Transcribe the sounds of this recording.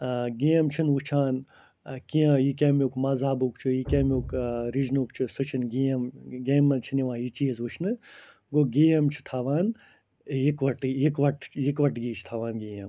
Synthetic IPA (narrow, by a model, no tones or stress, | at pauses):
ɡijɐmt͡ʃʰinʋut͡ʃʰaːn | kijãːjikʲeːmukmazaːbukt͡ʃʰujikʲeːmʲukɾid͡ʒnukt͡ʃʰusɨt͡ʃʰinɡijɐmɡeːmːɐnt͡ʃʰiniʋãːjit͡ʃiɐzʋuʃʰnɨ | ɡoɡijɐmt͡ʃʰi̥t̪ʰaːʋaːn | ikʋɐʈjikʋɐʈjikʋɐʈɡiːt͡ʃʰt̪ʰaːʋaːnɡiːjɐm